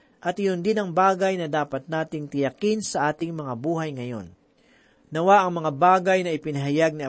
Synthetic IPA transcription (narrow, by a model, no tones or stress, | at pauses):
ʔɐt̪ɪjʊnd̪ɪnɐŋbaːɡɐjnɐd̪aːpɐt̪̚naːt̪ɪŋt̪ɪjɐkinsɐʔaːt̪ɪŋmɐŋabuːɦɐjŋɐjo̞̰nː | ɐwaʔɐŋmɐŋabaːɡɐjnɐɪpɪnɐɦajaɡ̚niɐ